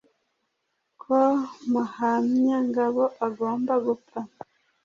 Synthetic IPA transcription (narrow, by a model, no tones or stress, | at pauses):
kʰomuhamɲaŋɡaβoʔaɡo̞ːmbaɡupama